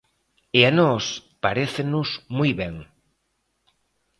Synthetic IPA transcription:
eanɔspaɾeθenʊsmujβɛŋ

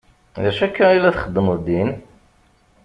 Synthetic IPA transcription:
ðæʃækːæilæθχəd̪ːəməðd̪in

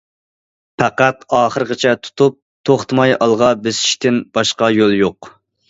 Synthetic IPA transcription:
pʰæqæt̪ɑːχəɾəʁət͡ʃʰɛt̪ʰu̥t̪ʰup̚t̪ʰoχt̪ʰmɑjɑlˠʁɑbɪzɪ̥ʃt̪ɪnb̥ɑʃqɑjolˠjoq

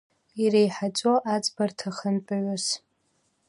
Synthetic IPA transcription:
irejħat͡ʃʷʼoʔat͡sʼbartʰaχənpʼaɥʷʊs

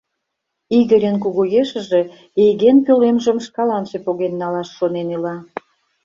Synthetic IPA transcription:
iɣəɾʲenkuɣujeʃə̆ʒe̽ | ejɣenpølemʒə̆mʃkɑlɑnʃepoɣenːɑlɑʃːonenilɑ

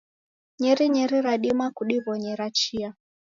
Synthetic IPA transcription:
ɲiɾiɲiɾiɾaɗimakuɗiβɔɲiɾat͡ʃia

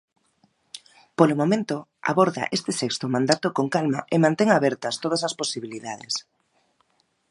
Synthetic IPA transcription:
polomomẽnt̪oa̰βoɾða̰ʔest̪ɪsɛkst̪omãnd̪at̪okoŋkalma̰ʔemãnt̪eŋaβɛɾt̪ɐst̪oð̞ɐsɐsposiβiliðaðḛs

